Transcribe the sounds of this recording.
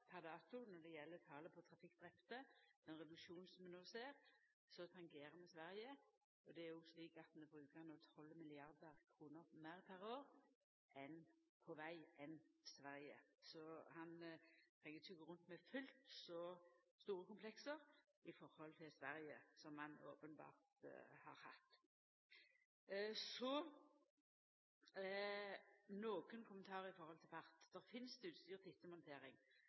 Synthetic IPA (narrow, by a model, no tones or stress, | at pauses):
pʰæʁd̪ɑːt̪ʊnɔʁd̪ɛjɛlːət̪ʰɑːləpʰɔt̪ʰɾɑfɪkːd̪ʁɛpt̪əd̪̥ɛnʁɛd̪ʉkʃuːn̩sɔmɛnoːseːʁsɔt̪ʰɑŋɡeːɾəmɛsʋæɾjə | ɔd̪ɛæɾjʊsliːkɑt̪noːbʁʉːkəɑnoːt̪ʰɔlmɪlɪɑʁd̪əɾkʰɾuːnəɾmæɪʁpʰæɾoːɾ | ʔɛnpʰɔʋæɪɛnsʋæɾjəsɔhɑnt̪ʰʁɛŋːət̪ʰyɡəʁʉnt̪mɛfʉlt̪sɔst̪uːʁəkʊmpʰlɛksəʁ | ɪfɔʁhɔlt̪ʰɪlsʋæʁjəsɔmːɑno̰ːpənbɑ̰ːʁt̪hɑ̰ːʁhɑ̰t̪ː | sɔ | noːkənkʰʊmənt̪ʰɑːʁəɪfɔʁhɔlt̪ʰɪlpɑʁt̪d̪̥ɛʁfɪnsd̪ʉːt̪st̪yːʁt̪ʰɪt̪ːəmɔnt̪ʰeːɾɪŋ